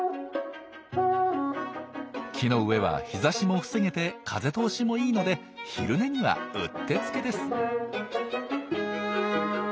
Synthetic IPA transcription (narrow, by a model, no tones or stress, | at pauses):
kʲʰino̞ɯ̟e̞βa̰çizaɕimo̞ɸɯ̟̥se̞ŋe̞t̪e̞kʰaze̞t̪o̞ːɕimo̞iːno̞d̪e̞ | çiɾɯ̟ne̞ɲ̟iβa̰ɯ̟̰t̪ːe̞t͡sɨ̥ke̞d̪e̞sɨ̥